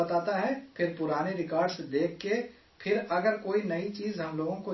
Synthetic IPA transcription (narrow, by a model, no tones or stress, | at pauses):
ɐt̪aːt̪aɦɛpʰɪɾpʊɾaːneɾɪkaːɾɖsed̪eːk̚ʰːe | pʰɪɾɐɡəɾkoːinɐit͡ʃiːzɦɐmloːɡõko